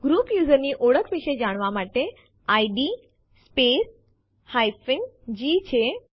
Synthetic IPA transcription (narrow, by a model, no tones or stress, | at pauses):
ɡɾuːpjuːzəɾniʔoːɽəkʰʋɪʃed͡ʑaːɽ̃ʋamaːʈe | aːiɖiː | speːs | haːɪfɪ̃ŋd͡ʑiːt͡ɕʰeː